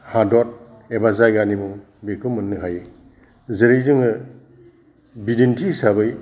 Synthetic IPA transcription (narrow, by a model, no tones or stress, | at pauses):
hadɔt̚ | ebazajɡanimu | bekʰɯmɯnːɯɦaj | zeɾejzɯŋɯ | bidentʰisabɯj